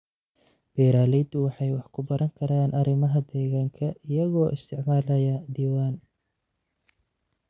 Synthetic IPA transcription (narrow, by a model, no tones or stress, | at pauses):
b̥ɛːɾaːlɛjd̪ʊwɑħɑjwɑħkʰʊbɐɾɐŋkʰɐɾaːnʔɐɾɪmɐɦɐd̪ɛːɣaːŋkʰɐʔɪjɐɣɔːʔɪst̪ʰɪʕmaːlɐjɐd̪iːwaːn